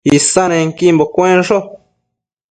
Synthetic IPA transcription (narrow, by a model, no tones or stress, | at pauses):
isanẽŋkimbokʷẽnʂo